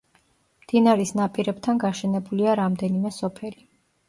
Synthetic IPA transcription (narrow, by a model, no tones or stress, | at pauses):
md̪̥inaɾisnapʼiɾɛbt̪ʰanɡaʃɛnɛbuliaɾamd̪ɛnimɛsɔpʰɛli